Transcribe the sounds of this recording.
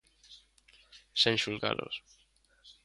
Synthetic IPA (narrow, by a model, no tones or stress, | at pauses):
senʃuŋka̰lʔo̰s